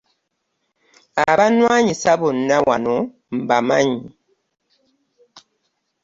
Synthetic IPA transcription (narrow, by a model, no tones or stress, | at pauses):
abanwaɲisabon̩nawʔa̰nɔ | m̩bamaɲi